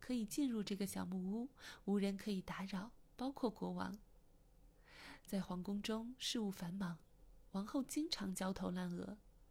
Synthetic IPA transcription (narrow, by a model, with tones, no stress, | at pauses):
kʰɤ˧˥i˨˩t͡ɕi˥˧nɻu˥˧ʈ͡ʂɤ˥˩ɡə˩ɕjɑ˨˩ʊmu˥˩u˥u˧˥ɻə˧˥nkʰɤ˧˥i˨˩t̪a˧˥ɻɑ˨˩˦ʊpɑ˥ʊkʰwɔ˥˩kwɔ˧˥wɑ̰˧˥ŋ | t͡sa˥˩ɪxwɑ˧˥ŋkʊ˥ŋʈ͡ʂʊ˥ŋʂɻ̩˥˧u˥˩fa˧˥nmɑ˧˥ŋ | wɑ˧˥ŋxo˥˩ʊt͡ɕi˥ŋʈ͡ʂʰɑ˧˥ŋt͡ɕjɑ˥ʊt̪ʰo˧˥ʊla˥˩nɤ̰˧˥